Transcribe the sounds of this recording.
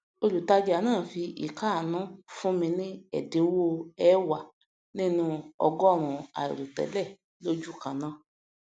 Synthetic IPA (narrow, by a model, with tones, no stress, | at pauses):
o˧˦lu˨ta˧d͡ʒa˨˦nãː˦˨fi˧ʔḭ˨ka˦˨nũ˨˦fũ˦mĩ˧nĩ˦ɛ̰˦˨de˨˦wo˦ɛ˨˦wa˨ | nĩ˦nũ˧ɔ˧ɡɔ˦˨ɾ̃ũ˨a̰˨ḭ˨ɾu˨tɛ̰˨˦lɛ˦˨ | lo˦d͡ʒu˦˨kã˨nã˨˦